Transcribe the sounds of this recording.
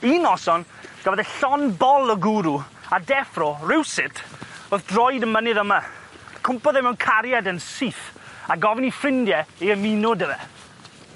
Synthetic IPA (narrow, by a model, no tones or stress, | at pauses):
inɔsɔn | ɡ̥avɔðɛɬɔnbɔlˠəɡuɾu | adɛfrɔrɪwsɪtʰoːθd̥rɔjdəmənɨðəma | kʰʊmpɔðɛɪmɛwnkʰaɾjadənsiθaɡɔvɪnifrɪndjɛiəminʊdəvɛ